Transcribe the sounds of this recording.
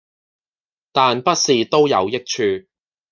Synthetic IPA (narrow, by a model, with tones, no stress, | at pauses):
t̪aː˨npɐ˥t̚siː˨t̪o˥wjɐ̰˨˧wjɪ˥k̚t͡ʃʰyː˧